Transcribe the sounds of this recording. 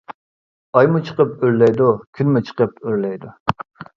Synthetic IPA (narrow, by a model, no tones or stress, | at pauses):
ɑjmut͡ʃʰəqəp̚øɾlɛjd̪ukʲʰynmʊt͡ʃʰə̥qəp̚øɾlɛjd̪u